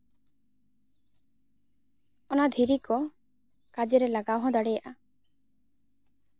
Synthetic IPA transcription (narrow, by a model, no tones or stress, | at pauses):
ɔnad̪ʱiɾikɔ | kad͡ʒeɾelaɡawɦɔ̃d̪ɔɽejaʔa